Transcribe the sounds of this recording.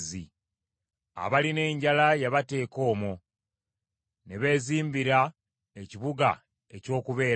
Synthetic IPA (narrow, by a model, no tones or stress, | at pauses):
zi | a̰βaline̞ːɲɟalajaβate̞ːko̞ːmo | neβe̞ːziːmbiɾa | e̞ciβuɡa̰ | eco̞ːkuβe̞ː